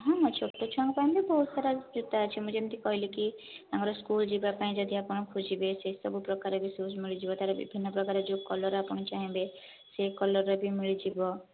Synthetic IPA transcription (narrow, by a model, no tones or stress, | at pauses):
ɦɔ̃ɔt͡ʃʰot̪ːot͡ʃʰɔaŋɡpaĩbibɔɦut̪saɾad͡ʒut̪aət͡ʃʰimɔ̃d͡ʒemt̪ikɔɦiliki | amɔɾɔskuld͡ʒibapaĩd͡ʒɔd̪iapɔɽ̃ɔkʰud͡ʒibesesɔbupɾɔkaɾebisosmiɭid͡ʒibɔt̪aɾɔbḭbʱinːɔpɾɔkaɾed͡ʒokɔlɔɾapɔɽ̃ɔt͡ʃaɦĩbe | sekɔlɔɾɔbʱimiɭid͡ʒibɔ